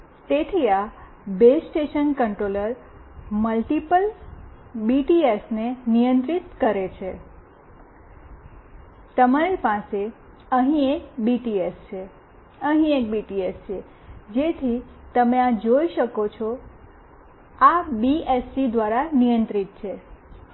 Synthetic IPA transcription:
t̪et̪ʰia | besʈeʃənkəɳʈɾoləɾməlʈipəl | biʈiesnenijə̃nt̪ɾit̪kəɾet͡ʃʰe | t̪əmaɾipase | əɦĩek̚biʈiest͡ʃʰe | əɦĩek̚biʈiest͡ʃʰe | d͡ʒet̪ʰi | t̪əmead͡ʒoiʃəkot͡ʃʰɔ | abiesid̪ʋaɾanijə̃nt̪ɾit̪̚t͡ʃʰe

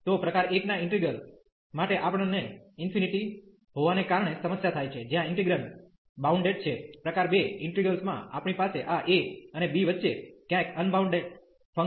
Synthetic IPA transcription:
t̪opɾəkaɾeknaɪ̃ɳʈɾiɡəl | maʈeʔapɽ̃neɪnfʰiniʈi | ɦoʋanekaɾɳ̃esəməsjat̪ʰajt͡ʃʰed͡ʒjãɪɳʈiɡɾəɳ | bauɳɖeɖt͡ʃʰepɾəkaɾbeɪɳʈɾiɡəlsmã̰a̰pɳ̃ipaseʔaʔekənebiʋətːʃekjãkənbʱauɳɖeɖ | fə

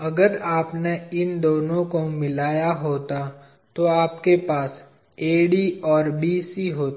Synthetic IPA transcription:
ɐɡəɾaːpneɪnd̪oːnõkomɪlaːjaɦoːt̪a | t̪oaːp̚kepaːs | eːɖiːɔːɾbiːsiɦoːt̪

